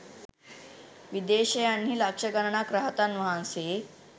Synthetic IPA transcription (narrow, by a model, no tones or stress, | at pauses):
ʋid̪eɕəjanːiːlakʂəɡəɾɳakɾaɦət̪anʋaɦãnse